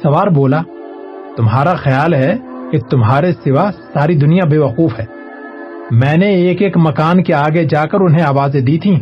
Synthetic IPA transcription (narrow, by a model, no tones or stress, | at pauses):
sɐʋaːɾboːla | t̪ʊmɦaːɾaxɐjaːlɦɛket̪ʊmɦaːɾesɪʋasaːɾid̪ʊnijabeːʋɐquːfɦɛː | mɛ̃ːneeːkeːkmɐkaːnkeaːɡed͡ʒaːkɐɾʊnɦẽaːʋaːzed̪iːt̪ʰĩː